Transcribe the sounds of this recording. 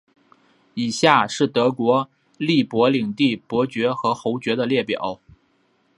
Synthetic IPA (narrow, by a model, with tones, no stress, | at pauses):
i˨˩ɕja˥˧ʂɻ̩˥˩t̪ɤ˧˥kwɔ˧˥ | li˥˩pwɔ˧˥li˨˩ŋt̪i˥˩pwɔ˧˥t͡ɕɥɛ˧˥xɤ˧˥xo˧˥ʊt͡ɕɥɛ˧˥d̪ə˧ljɛ˥˩pjɑ̰˨˩˦ʊ